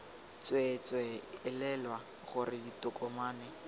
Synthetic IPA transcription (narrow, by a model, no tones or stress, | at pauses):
t͡swɛt͡swɛɪlɛlwa | χʊrɪditʊkʼɔmaːnɪ